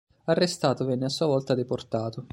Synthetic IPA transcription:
arːest̪aːt̪ovɛnːeasːuːavɔlt̪ad̪eport̪aːt̪o

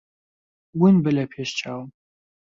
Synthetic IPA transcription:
wʊnbɨlɐpʰeːʃt͡ʃʰʼaːw

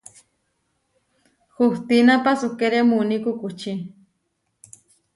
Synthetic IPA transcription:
xuht̪inapasukeɾemunikukut͡ʃi

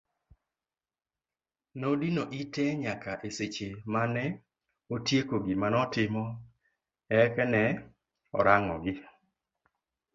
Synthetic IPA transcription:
nodinoʔitɛɲakaʔeset͡ʃemanɛ | otjekoɡɪmanɔtɪmɔ | ɛkɛnɛ | ɔ̰ɾaŋɔ̰ɡɪ

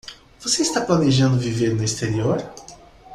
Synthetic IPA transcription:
v̥oseist̪aplaneʒɐ̃nd̪ʊviveɾnʊist̪eɾioɾ

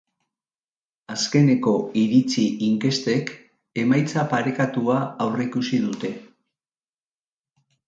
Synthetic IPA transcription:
aske̞ne̞ko̞iɾit͡siʔiŋke̞st̪e̞k | e̞majt͡sapaɾe̞kat̪uaːwreikusiðut̪e̞

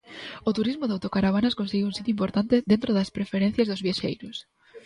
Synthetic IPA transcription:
ot̪uɾizmʊðawt̪okaɾaβ̞anaskonseɣiwũnsit̪juimpoɾt̪ant̪ɪðent̪ɾoðɐspɾefeɾẽn̟θjazðʊzβjaʃḛjɾʊs

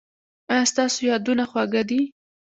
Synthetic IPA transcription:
ɑjɑst̪ɑsojɑd̪unaxwaɡad̪i

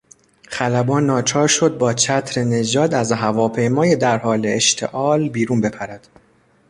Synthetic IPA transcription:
χælæbɒːnːɒːt͡ʃʰɒːɾʃo̞d̪̚bɒːt͡ʃʰæt̪ʰɾene̞d͡ʒɒːd̪æzɦævɒːpʰe̞jmɒːjed̪æɾhɒːleeʃt̪ʰe̞̰ʔɒːlbiːɾuːnbe̞pʰæɾæd̪̥

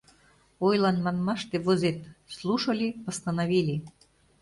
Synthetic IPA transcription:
ojlˠɑnmɑnmɑʃt̪eβozet̪slˠuʃɤ̆lʲipə̆st̪ɑnɑβilʲi

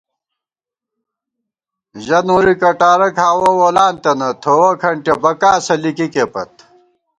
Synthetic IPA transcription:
ʑɐnuɾikɐʈaːɾɐkhaːwowolaːnt̪ɐnɐt̪ʰoːwɐkʰɐɳʈebɐkaːsɐlikikepɐ̰t̪̚

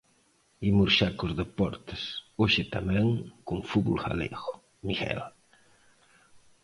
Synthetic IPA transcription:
imuɾʃakozðepɔ̰ɾt̪ɪsoʃɪt̪amɛ̃ŋkuŋfuβulxa̰lḛɣo̥ | miɣɛ̰l

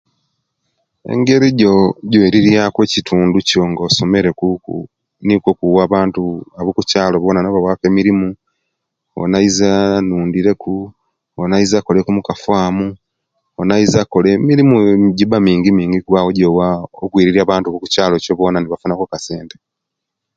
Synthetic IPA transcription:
e̞̰ŋɡe̞ɾiɟoɟoiɾiɾijakwecitʰuːnduco̞ŋɡoso̞me̞ɾe̞kukṵ | nikwokuwaːβaːntuaβukucaːlo̞βo̞ːnanoβawake̞miɾimu | o̰naizanuːndiɾe̞ku | onaizako̞le̞kumukafaːmu | onaizakolemiɾimuɟiβamiːŋɡimiːŋɡiɡwaːwoɟowaokwiːɾiɾiaːβaːntuβuku̥caːlo̞coβo̞naniβafunakukaseːnte

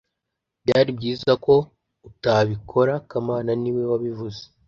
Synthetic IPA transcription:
bjaːɾib̚ɟiːzako̞ | utaβikʰo̞ɾakamaːnaniwe̞waβivuze̥

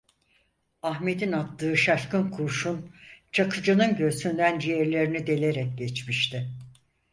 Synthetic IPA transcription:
ahmed̪inat̪lˠɯːʃaʃkɯnkʰuɾʃunt͡ʃʰakʰɯd͡ʒanɯnɟø̞synd̪ænd͡ʒijeɾlʲe̞ɾinid̪e̞lʲe̞ɾɛk̚ɟɛt͡ʃmiʃt̪ʰɪ

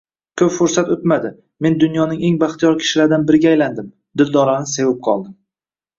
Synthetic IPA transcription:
kʰɵpfʊɾsat̪ot̪mad̪ɪ | me̞nd̪ʊnjɒnɪŋe̞ŋbaχt̪ʰijɒɾkʲʰɪ̥ʃɪlaɾd̪anbɪɾɪɡʲajland̪ɪm | d̪ɪld̪ɒɾanɪse̞vɪp̚qʰɒ̰lˠd̪ɪm

